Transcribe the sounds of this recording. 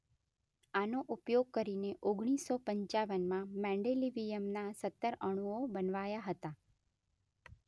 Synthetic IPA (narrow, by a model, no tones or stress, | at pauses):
anoʔupjoɡ̚kəɾineʔoɡɽ̃isːɔpəɲt͡ʃaʋənmãmɛ̃ɳɖeliʋijəmnasət̪ːəɾəɽ̃uobənʋajaɦət̪a